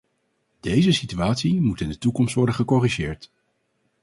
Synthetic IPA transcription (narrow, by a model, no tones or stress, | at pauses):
d̥ejzəsityaːtsimutɪndətukɔmstʋɔɹdəχəkɔriʒɪːɹt